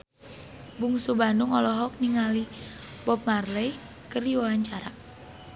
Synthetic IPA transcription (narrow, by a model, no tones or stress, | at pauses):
buŋsubanduŋɔlɔɦɔk̚niŋali | bɔp̚marlɛj | kəriwawaɲt͡ʃaɾa